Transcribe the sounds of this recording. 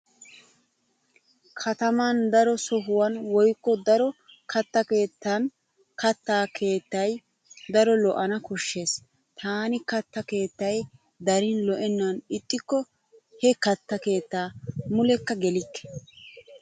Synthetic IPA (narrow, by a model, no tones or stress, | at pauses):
kʰɐt̪ɐmand̪ɐɾɔsɔɦʊwɐnwɔjkːɔd̪ɐɾɔ | kɐt̪ːɐke̞ːt̪ːɐn | kɐt̪ːaːkʰe̞ːt̪ːɐj | d̪ɐɾɔlɔʔɐnɐkɔʃːe̞ːs | t̪ʰaːnɪkɐt̪ːɐke̞ːt̪ːɐj | d̪ɐɾɪnlɔʔɛnːɐnɪt̪ʼːɪkːɔ | hɛkɐt̪ːɐke̞ːt̪ːaːmʊlɛkːɐɡɛlɪkːɛ̥